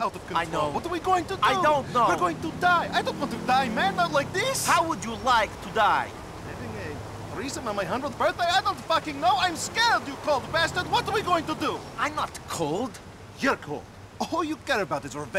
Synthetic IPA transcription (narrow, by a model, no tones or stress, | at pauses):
aʊtʌv̥kʰaɪnoʊwʌtə˞wiɡoʊɪ̃ŋtɨdaõʊ̃nnoə˞ɡoʊɪ̃ŋtɨdaɪaɪdõʊ̃nʔwɑ̃ntɨdaɪmæ̃nðalaɪk̚ðɪshaʊwəd͡ʒəlaɪktʰədaɪ | hɛvɪ̃ŋɨ | θɹizə̃nmə̃nmaɪɦʌ̃ndɹəd̪̚bɜ˞θdeɪaɪdõʊ̃ntfʌkɪ̃ŋnoʊãɪ̃mskɛɹdjɨkʰɔlˠdbæstət̚wʌtə˞wiɡoʊɪ̃ŋtəduãɪ̃mnətkʰoʊlˠd | jəkʰo̰ʊlˠd̥ | oʊjɨɡ̥ɛɾɨbaʊtɨtə˞v